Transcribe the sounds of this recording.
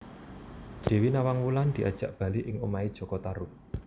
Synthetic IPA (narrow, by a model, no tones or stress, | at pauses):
d̪̥e̤winawaŋwuland̪̥i̤ʔa̰d̥ʒ̥ä̤ʔb̥a̤liʔɪŋumaid̥ʒ̥ɔ̤kɔt̪aɾʊk̚